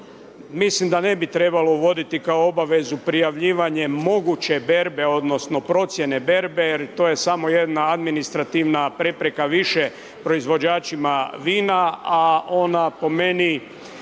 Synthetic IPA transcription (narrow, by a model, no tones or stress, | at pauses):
mislimd̪ane̞bit̪ɾe̞balo̞uʋo̞d̪it̪ikao̞obaʋe̞zupɾijaʋʎiːʋaɲe̞mo̞ɡut͡ɕe̞be̞ɾbe̞o̞d̪no̞sno̞pɾo̞t̪sje̞ne̞be̞ɾbe̞jeɾt̪o̞je̞samo̞je̞d̪naad̪minist̪ɾat̪iʋnapɾe̞pɾe̞kaʋiʃe | pɾo̞izʋo̞d͡ʑaːt͡ʃimaʋiːnaao̞napo̞me̞ni